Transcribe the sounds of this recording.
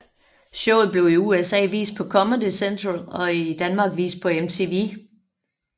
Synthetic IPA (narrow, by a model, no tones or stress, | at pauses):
ɕɔʊ̰ð̞̩ˠb̥le̝ʊiuːesɛ̰ːʋḭːsd̥̚pʰɒ̽kʰɒ̽məndisend̥ʰʁonɒ̽id̥ænmɑ̈ːɡ̥ʋḭːsd̥̚pʰɒ̽emt͡sʰe̝ʋi